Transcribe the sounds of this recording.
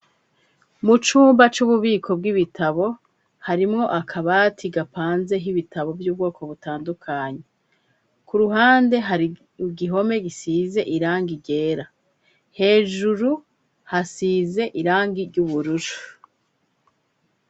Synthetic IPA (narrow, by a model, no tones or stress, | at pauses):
mut͡ʃuːmbat͡ʃuβuβiːkʰo̞b̚ɡiβitʰaβo̞ | haɾimŋo̞ʔakʰaβatʰiɡapaːnze̞ɦiβitaβo̞vjuːb̚ɡo̞ːko̞βutaːndukʰaɲe | kuɾuɦaːnde̞ɦaɾi | ɡiɦo̞me̞ɡisize̞ʔiɾaːŋɡiɟe̞ːɾa | he̞ːʒuɾu | hasiːze̞ʔiɾaːŋɡiɾɟuβuɾuɾu̥